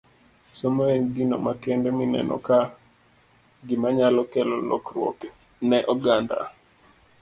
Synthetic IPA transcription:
somoeŋɡino̰makɛndeminɛ̰nʔɔ̰ka | ɡɪmaɲalɔkɛlɔlɔ̰kɾwɔ̰ke | nɛʔɔɡanda̰

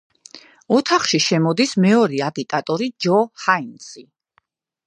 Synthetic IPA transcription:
ɔt̪ʰaχʃiʃɛmɔd̪ismɛɔɾiaɡit̪ʼat̪ʼɔɾid͡ʒɔhainsi

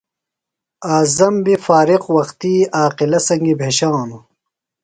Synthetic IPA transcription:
aːzɐmbifaːɾiqwɐxt̪iːaːqilɐsɐŋɡibʱeːɕaːnu

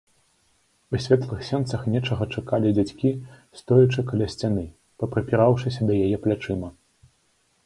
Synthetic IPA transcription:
usʲvʲɛt̪lˠɨxsʲɛnt̪sɐxnʲɛt͡ʂɐɣɐt͡ʂakalʲid͡zʲat͡sʲkʲist̪ɔjɐt͡ʂɨkɐlʲasʲt͡sʲanɨ | pɐpɾɐpʲiɾawʂɨsʲɐd̪ɐjajɛplʲat͡ʂɨmɐ

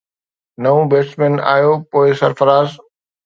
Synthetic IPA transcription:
nɐʋũbeːsʈmẽːna̰ːjoːpoːɪsɐɾfɐɾaːz

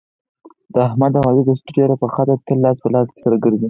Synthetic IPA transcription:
d̪̥əahmad̪awɑzid̪əsʈuɖjoɾapəxat̪at̪əlːɑs̬pəlɑs̬ke̥saɾaɡəɾzi

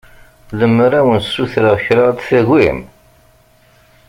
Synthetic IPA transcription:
ləmːɾæwənsuθɾaçɾat̪θæɣḭm

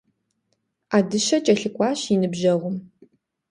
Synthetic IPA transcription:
aːdɨʃɐt͡ʃʼɐɬɨkʷʼɑːɕinɨbʑɐʁʷʊm

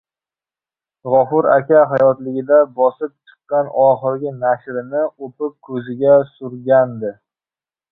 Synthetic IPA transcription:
ʁɒfʊɾa̰kʲaɦajɒt̪lɪɡʲɪd̪abɒsɪp̚t͡ʃʰɨ̥qːɑnɒχɨɾɪɡʲɪnaʃɾɪnɪopɪp̚kʰɵzɪɡʲasʊɾɡʲand̪ɪ

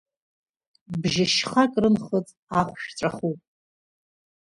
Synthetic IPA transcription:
bʒɪʃχakʼrɨnχət͡sʼaχʷʃᶣʈ͡ʂʷʼaχupʼ

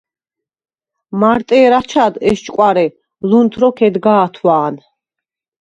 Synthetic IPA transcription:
maɾt̪ʼɛːɾat͡ʃʰad̪ɛst͡ʃʼkʼwaɾɛ | lunt̪ʰɾɔkʰɛd̪ɡaːt̪ʰwaːn

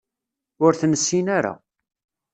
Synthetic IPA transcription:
ʊɾθnəsːinaɾa̰

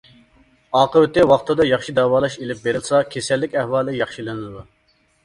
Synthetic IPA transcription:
ɑːqəwɪt̪ɪwɑχt̪ʰɨd̪ɑjɑχʃid̪ɛwɑːlˠɑʃelɪp̚beɾɪlˠɨsɑkʲʰesɛlːɪkʲɛhwɑːlˠɪjɑχʃilɨnɨzd̪u

